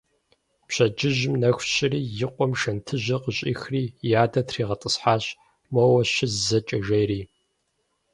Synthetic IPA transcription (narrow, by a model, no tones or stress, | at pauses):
pɕɐd͡ʒɪʑɪmnɐxʷɕʼɪriːjɪqʷʼɔmʃɐntʰɨʑɐqəɕʼḭːxriːjaːdɐtʰriːʁɐtʼəsħaːɕ | mɐwɐɕɪzzɐt͡ʃʼɐʒɐjriː